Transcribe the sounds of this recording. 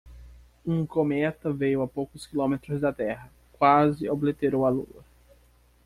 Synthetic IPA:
ũkomɛt̪ɐvejʊɐpowkʊskilõmet̪ɾʊzd̪ɐt̪ɛɦɐ | kwazɪoblet̪eɾowɐlṵɐ

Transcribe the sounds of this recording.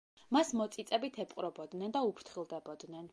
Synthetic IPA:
masmɔt̪sʼit̪sʼɛbit̪ʰɛpʼqʼɾɔbɔd̪nɛnd̪aupʰɾt̪ʰχilˠd̪ɛbɔd̪nɛn

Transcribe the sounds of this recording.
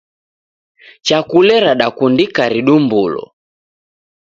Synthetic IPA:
t͡ʃakulɛɾaɗakundikaɾiɗumbulɔ̰

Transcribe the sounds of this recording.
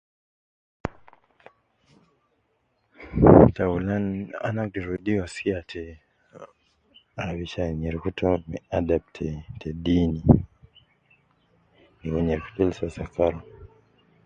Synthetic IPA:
taulana̰nakiɾudiwaskiatʰɛ | aβiʃaɲɛɾikutɔmɛadap̚tʰɛtʰɛdini | nikɔɲɛɾku̥tɔlsasakaɾɔ

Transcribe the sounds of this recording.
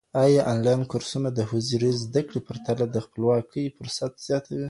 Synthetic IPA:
ɑjɑʔɑnlɑjnkʊɾsunad̪əhuziɾizd̪akɽepəɾt̪alad̪əxpəlwɑkʰəjfʊɾsat̪z̥jɑt̪ʰawi

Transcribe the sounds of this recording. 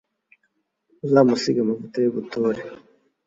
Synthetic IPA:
uzamusiɡamavutajoβutuːɾe

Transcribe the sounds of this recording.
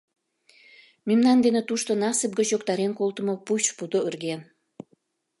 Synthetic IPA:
mymnɑnd̪enet̪uʃt̪onɑsəp̚ɡət͡ɕjokt̪ɑɾenkolt̪ə̆moput͡ɕpud̪oərɣen

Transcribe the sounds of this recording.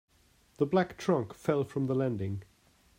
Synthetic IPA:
ðəblæk̚tʰɹ̥ʌ̃ŋkfɛlˠfɹʌ̃mðəlæ̃ndɪ̃ŋ

